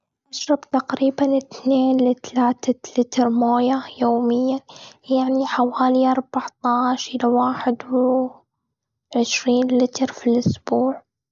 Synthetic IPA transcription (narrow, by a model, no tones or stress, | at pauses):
ʔaʃɾˤɑbt̪aqɾiːbanɪt̪neːnlɪt̪alaːt̪alɪt̪ɾmoːjajoːmɪjːajaʕniħawaːliʔɑɾˤbaʕt̪ˤɑːʃʔɪlawaːħɪd̪wɪ | ʕɪʃɾiːnlɪt̪ɾfilʔʊsb̥uːʕ